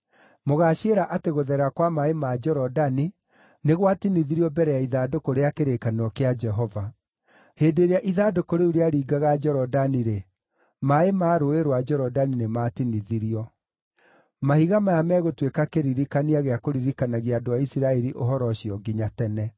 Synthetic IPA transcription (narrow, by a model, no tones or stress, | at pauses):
moɣaʃeːɾaʔateɣoðɛɾakwamaemad͡ʒɔɾɔdani | neɣwatiniðiɾiɔbɛɾɛjaiðaːdokoɾeakeɾekanɔkead͡ʒɛɦɔva | heːdeɾeaʔiðadokoɾeuɾeaɾiːɡaɣad͡ʒɛɾɔdaniɾe | maemaːɾoeɾwad͡ʒɔɾɔdaninematiniðiɾiɔ | mahiɣamajamɛːɣotwekakeɾiɾikaniaɣeakoɾiɾikanaɣiadoaisiɾaɛɾiʔoɦɔɾɔɕiɔɡiɲatɛnɛ